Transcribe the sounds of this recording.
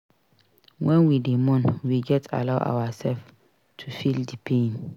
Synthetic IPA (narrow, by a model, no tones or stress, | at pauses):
wɛ̃nwidemɔ̃nwiɡɛtʰa̰laʊʔa̰wasɛlf | tʰufildipʰẽn